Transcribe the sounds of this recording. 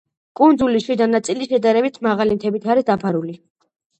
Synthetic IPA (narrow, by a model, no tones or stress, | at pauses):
kʼund̪zuliʃid̪anat̪sʼiliʃɛd̪aɾɛbit̪ʰmaʁalimt̪ʰɛbit̪ʰaɾisd̪apʰaɾuli